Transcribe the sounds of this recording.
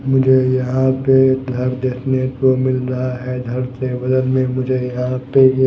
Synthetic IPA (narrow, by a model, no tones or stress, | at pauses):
mʊd͡ʒʱejɐɦãped̪ʱɐɾd̪eːkʰnet̪omɪlɾɐɦaɦɛd̪ʱɐɾsebɐd̪ənmẽmʊd͡ʒʱejɐɦãpe